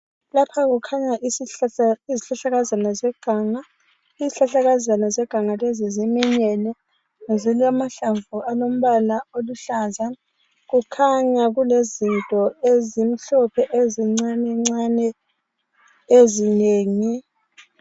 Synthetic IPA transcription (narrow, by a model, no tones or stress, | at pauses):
lapʰaɣ̬ukʰaɲaʔi | iziɬaɬaɣazanazɛɡ̥ʱaːŋa | iziɬaɬaɣazanazɛɡ̥ʱaŋalɛzizimɛɲɛnɛ | ŋeziliamaɬaɱvualom̩βalaoluɬaːza | ɣukʰaɲaɣulezintʼɔezim̩ɬɔpʰɛʔeziŋ͡ǀanɛŋ͡ǀanɛ | ezineːŋi